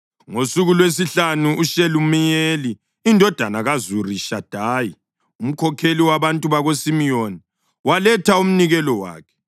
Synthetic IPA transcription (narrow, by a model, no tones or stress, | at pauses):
ŋosuɣulwes̬iɬanuuʃelumijeliː | ndʱɔd̥ʱanaɣazuriʃad̥ʱaːji | um̩kʰɔkʰeliwaβantʼuβaɣosimijoni | walɛtʰaum̩niɣɛlɔwa̰ːkʰɛ̥